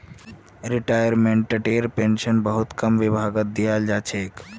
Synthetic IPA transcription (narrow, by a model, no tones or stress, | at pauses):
ɾiʈaːjəɾmẽɳʈʈəʈeːɾpeːnʃənbəɦut̪kəmʋɪbʱaɡət̪̚d̪ijald͡ʒaːt͡ʃʰeːk